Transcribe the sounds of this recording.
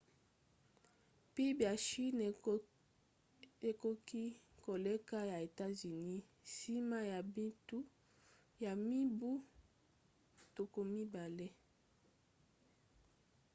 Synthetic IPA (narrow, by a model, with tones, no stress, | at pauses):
pi˦bja˨ʃi˦n | e˨ko˦ki˦ | ko˨le˦ka˦ja˨e˨ta˦zy˨ni˦ | si˦ma˦ja˨bi˦tu˦ | ja˨mi˦bu˦ | to˨ko˨mi˦ba˨le˦